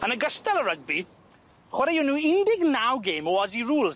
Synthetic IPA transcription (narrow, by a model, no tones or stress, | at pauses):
ənəɡəstɛləɹəɡ̚bi | χwɛɾɛjunuːɪndɪɡnawɡeːmɔɔziɹuːlz